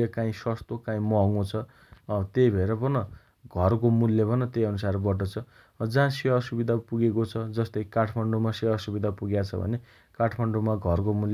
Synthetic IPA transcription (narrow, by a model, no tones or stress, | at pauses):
ekãĩsʌst̪okãĩmʌɦŋõt͡sʰʌ | t̪ejbʱʌeɾʌpʌnʌ | ɡʱʌrkomulːebʱʌnʌt̪ejʌnusarbʌʈʌt͡sʰʌ | d͡zãsiʌsubid̪ʱapuɡekot͡sʰʌd͡zʌst̪ʌjkaʈʰmaɳɖumasiɦʌsubid̪ʱapuɡjat͡sʰʌbʱʌ̰ne | kaʈʰmaɳɖumaɡʱʌrkomul